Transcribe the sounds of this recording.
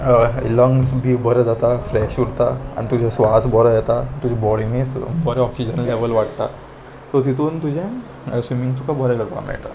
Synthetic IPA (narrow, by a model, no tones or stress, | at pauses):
ḭləŋɡsbʱiːbəɾɛd͡zat̪afɾɛɕuɽt̪aa̰ñit̪ud͡ʑʱẽsʋasbɔɾəjɛt̪at̪ud͡ʑʱɛ̃bɔɽimẽsbɔɾɛ̃ɔksid͡ʑənleʋəlʋaʈt̪a̰ | t̪ɔt̪it̪uːnt̪ud͡ʑʱẽ | sʋimĩŋɡt̪ukʰabʱɔɾɛɡəɾpa̰la̰mḭɭt̪a̰